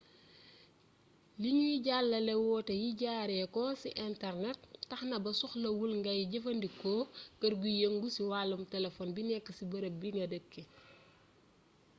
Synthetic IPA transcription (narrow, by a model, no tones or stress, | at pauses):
liɲujiɟalːɐlɛwɔːtɐjiɟaːɾɛkɔsiʔɛntɛrnɛt̚ːɐxnɐbɐsuxlɐwulŋɡɐjɟɐfɐndikɔːkɐrɡujɐŋɡusiwaːlːumtɛlɛfɔnbinɛkːɐsibɐɾɐbiŋɡɐdəkːe